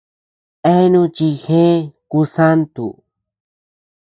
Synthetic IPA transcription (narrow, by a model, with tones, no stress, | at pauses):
e˦nũ˦˧t͡ʃi˧xẽ˦ku˧sa˦nt̪ṵ˨